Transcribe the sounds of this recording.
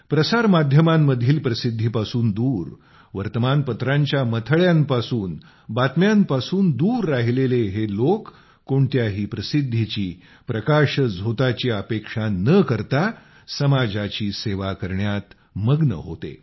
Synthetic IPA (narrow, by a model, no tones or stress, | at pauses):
pɾəsaɾmad̪ʱjəmamːəd̪ʱiːlpɾəsid̪ʱːipasuːnd̪uːɾ | ʋəɾt̪əmanpət̪ɾãɲt͡ɕjamət̪ʰəɭjampasuːn | bat̪mjampasuːnd̪uːɾːaɦileleɦelokː | oɳt̪jaɦiːpɾəsid̪ʱːit͡ɕiː | pɾəkaɕd͡zʱot̪at͡ɕiəpekʂanəkəɾt̪a | səmad͡zat͡ɕiːseʋakəɾɳjat̪ | məɡnə̰ɦo̰t̪ḛ